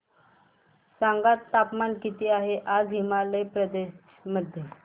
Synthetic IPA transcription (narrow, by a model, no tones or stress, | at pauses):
saŋɡat̪ːapmankit̪iːaɦeʔad͡zɦimalepɾəd̪eɕ | məd̪ʱje